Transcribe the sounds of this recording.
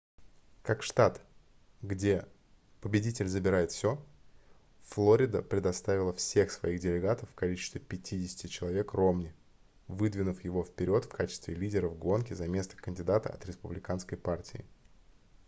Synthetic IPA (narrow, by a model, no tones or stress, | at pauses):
kakʂt̪at̪ | ɡdʲe̞ | pəbʲɪdʲitʲɪlʲzəbʲɪɾajɪt̪fsʲo̞ | flˠoɾʲɪd̪əpɾʲɪd̪ɐst̪avʲɪlˠəfsʲe̞xsvɐiɣdʲɪlʲɪɡat̪əfːkɐlʲit͡ɕɪ̥st̪vʲɪpʲɪtʲʰidʲɪsʲɪ̥tʲɪt͡ɕɪlˠɐvʲe̞kro̞mnʲɪ | vɨd̪vʲɪnʊfjɪvo̞fpʲɪɾʲo̞t̪fkʰat͡ɕɪ̥st̪vʲɪlʲidʲɪɾəvɡo̞nkʲɪzɐmʲe̞st̪ə̥kənʲdʲɪd̪at̪ə̰ɐ̰t̪ɾʲɪspʊblʲɪkanskəjpartʲɪɪ